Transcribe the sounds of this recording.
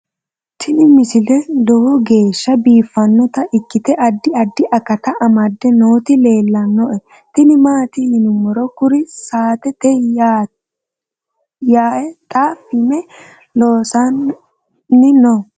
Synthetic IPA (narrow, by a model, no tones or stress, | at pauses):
t̪ʰɪnɪmɪsɪlɛd̪ɔwɔɡe̞ːʃːɐbiːfːɐnːɔt̪ɐʔɪkːɪt̪ɛʔɐd̪ːɪɐd̪ːɪʔɐkːɐt̪ɐʔɐmɐd̪ːɛnoːt̪ɪle̞ːlːɐnːɔʔɛ | t̪ɪnɪmaːt̪ɪhɪnʊmɔɾɔkʊɾɪsaːt̪ɛt̪ɛ | jaːʔɛt̪ʼaːfɪmɛ | loːsɐn | nɪnɔ